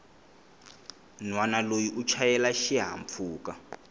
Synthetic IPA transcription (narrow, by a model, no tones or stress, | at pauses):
nwanalojiʔut͡ʃʰajɛlaʃiɦa̰ɱp̪fʰuːka